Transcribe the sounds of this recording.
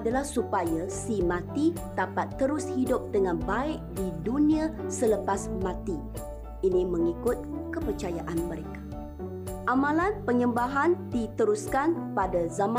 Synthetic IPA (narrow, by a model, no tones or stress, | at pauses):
adalahsupajasimãt̪i | d̪apat̪ːəɾʊshidʊp̚dəŋãnbaɪʔdidunĩasələpasmãt̪i | ʔinĩməŋikʊt̪̚kəpərt͡ʃajaʔanməɾekḁ | ʔamãlanpəɲəmbaɦandit̪əɾuskanpadazama